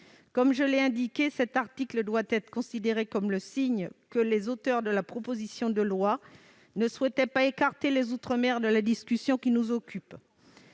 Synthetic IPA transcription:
kɔmʒəlɛɛ̃d̪ikʲesɛt̪aʁt̪ikləd̪wat̪ɛt̪χə̥kɔ̃sid̪eʁekɔmləsiɲkəlezot̪œʁd̪əlapχɔpozisjɔ̃d̪əlwa | nəswɛt̪ɛpaekaʁt̪elezut̪χəmɛʁd̪əlad̪iskʲysjɔ̃kʲinuzɔkʲʰyp

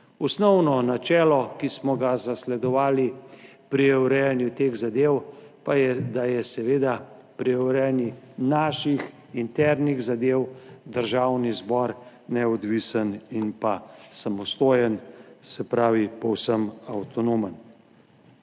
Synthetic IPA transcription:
ɔsnɔwnɔnat͡ʃɛːlɔkismɔɡazaslɛd̪ɔʋaːlipɾiɛwɾɛnjut̪eːɣzad̪eːwpajɛd̪ajɛsɛʋeːd̪a | pɾiɛwɾɛnjinaːʃix | int̪ɛɾniɣzad̪eːwd̪əɾʒawnizbɔɾ | nɛɔd̪ʋisəninpasamɔst̪oːjənsɛpɾaːʋipɔwsəmawt̪ɔnomən

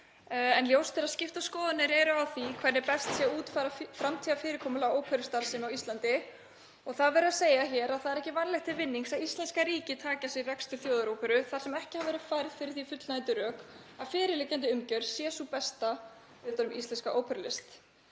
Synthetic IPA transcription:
ɛnljoːwst̪ʰɪɾaðscɪft̪askɔːðʏnɪɾɛɾʏawθikʰvɛɾɪɾpɛst̪sjɛuːt̪fajɾafɾamt̪ʰiːafɪːɾɪkʰɔːmʏlaoːwpʰœɾʏst̪aɾsɪmawist̪lant̪ɪ | ɔɣθaðvɛːɾʏðaseːjaçɛːɾaðθaðɾɛhcɪvanlɛxt̪ʰɪlvɪnːiŋsaist̪lɛnskaɾiːcɪt̪ʰaːcasɪrɛkst̪ʏɾ̥θjowðaɾoːwpʰɛɾʏθḁsɛmɛhcɪhavɛːɾʏðfajɾðfɪɾɪθifʏt̪lnant̪ʏɾœːk | aðfɪːɾɪlɪcːant̪̬ɪʏmcœɾsjɛsupɛst̪a | vɪt̪anʏmʔist̪lɛnskaʔoːwpʰɛɾlɪst̪

